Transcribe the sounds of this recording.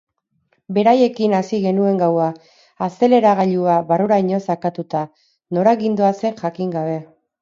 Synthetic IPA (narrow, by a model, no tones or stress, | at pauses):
be̞ɾaje̞kinasiɣe̞nue̞ŋɡawaː | se̞le̞ɾaɣ̞aʎuaβaruɾaiɲo̞sakat̪ut̪a | no̞ɾaɣind̪oase̞nʝakiŋɡaβ̞e̞